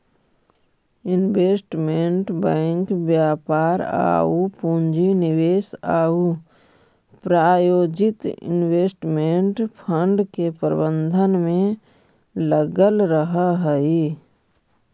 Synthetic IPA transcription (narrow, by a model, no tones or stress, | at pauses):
ɪnweːsʈmẽɳʈbɛ̃ːŋkbjaːpaːɾa̰ːupũnd͡ʒinɪweːsa̰ːu | pɾaːjoːd͡ʒɪt̪ɪ̰nweːsʈmeɳʈpʰəɳɖkepəɾbə̃nd̪ʱənmẽ | ləɡəlɾəɦaɦəi